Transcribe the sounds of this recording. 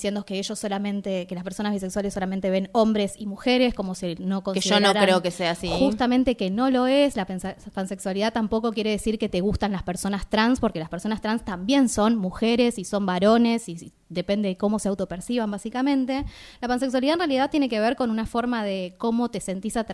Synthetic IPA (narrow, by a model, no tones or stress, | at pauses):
sjend̪okeeʒosːolamẽ̞nt̪ekelaspeɾso̞nazβis̬ekswaleso̞lament̪eβe̞no̞mbɾe̞simuxeɾe̞sko̞mo̞sino̞ko̞nʒioɾoɾaɾeokeseasixust̪amẽnt̪e̞ke̞no̞lo̞eslapnpanse̞kswaliðat̪ampo̞ko̞k̬je̞ɾe̞ðesiɾke̞t̪e̞ɣ̞ust̪anlaspeɾso̞nast̪ɾanspo̞ɾke̞laspeɾso̞nast̪ɾanst̪ambje̞nso̞nmuxeɾe̞siso̞mbaɾo̞ne̞si | ðe̞pend̪eðeko̞mo̞se̞awt̪o̞peɾsiβambasikamẽ̞nt̪e̞lapans̬ekswaliðaenrejaliðaðt̪jenekeβ̞eɾko̞nunafo̞ɾmað̞eko̞mo̞t̪e̞se̞nt̪isat̪